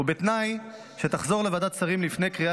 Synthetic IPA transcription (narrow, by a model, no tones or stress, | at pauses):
ubet̪naj | ʃet̪aχzo̞ʁle̞vad̪at̪t͡saʁimlifnejkʁia